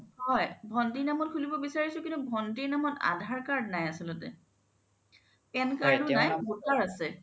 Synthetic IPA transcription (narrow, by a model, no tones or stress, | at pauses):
hɔjbʱɔndiɹnamɔt̚kʰulibɔbisaɹisʊkintubʱɔndiɹnamɔta̰dʱaɹkaɹdnajasilɔtɛ̰ | ɛnkaɹdʊnajmutaɹasɛ